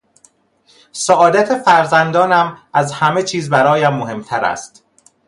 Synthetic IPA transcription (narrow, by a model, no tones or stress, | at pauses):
sɒʔɒːd̪æt̪ʰe̞fæɾzænd̪ɒːnæmæzhæme̞t͡ʃʰiːzbæɾɒːjæmːoɦe̞mt̪ʰæɾæ̰st̪